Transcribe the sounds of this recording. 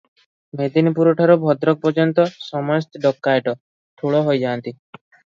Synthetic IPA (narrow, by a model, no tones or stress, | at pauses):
med̪inipuɾɔʈʰaɾɔbʱɔd̪ɾɔk̚pɔɾd͡ʒɔnt̪ɔsɔmɔjɔst̪ɔɖɔkːajeʈɔ | ʈʰuɭɔɦojd͡ʒaːnt̪i